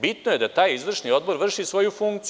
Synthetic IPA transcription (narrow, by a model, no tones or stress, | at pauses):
bit̪noje̞d̪at̪aːjizʋr̩ʃnio̞d̪bo̞ɾʋr̩ʃisʋo̞jufuŋkt̪s